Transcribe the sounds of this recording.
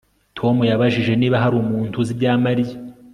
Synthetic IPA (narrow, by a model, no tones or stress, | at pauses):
tʰo̞mujaβaʒiʒe̞niːβaɦaɾuːmuːntʰuzibjaːmaɾija